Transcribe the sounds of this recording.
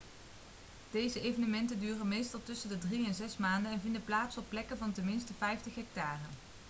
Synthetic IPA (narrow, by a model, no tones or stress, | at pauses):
d̥ejzəejvənəmɛntəndyːrənmejstɑlˠtɵsəndədriɛnzɛsmaːndənɛnvɪndəplaːtsɔpːlɛkəvɑntənmɪnstəfɛjftəχɦɛk̚taːrən